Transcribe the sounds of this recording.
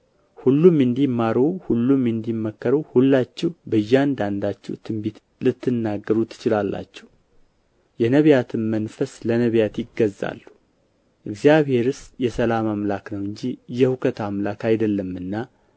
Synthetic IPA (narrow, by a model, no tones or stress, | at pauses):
hulːumɨnd̪imːaɾohulːumɨnd̪imːəkːəɾəhulːat͡ʃːɛwbəjːand̪and̪at͡ʃːɛ̰wt̪ʰɨmbit̪ | lɨt̪ːɨnːaɡːəɾut̪ʰːɨ̥t͡ʃɪlalːa̰t͡ʃːɛ̥w | jɛnəβjat̪ʰɨnmənfəslənəβjat̪jɪɡəza̰lːu | ʔɨɡzijaβhe̞ɾɨsjɛsəlamamlaknəwɨɲd͡ʒijɛhukʰət̪amlakajd̪əlːəmːɨnːa